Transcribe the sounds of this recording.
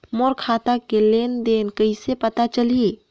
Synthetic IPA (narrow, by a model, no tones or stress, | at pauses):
moɾkʰaːt̪akeleːnd̪eːnkəisepət̪at͡ʃəlie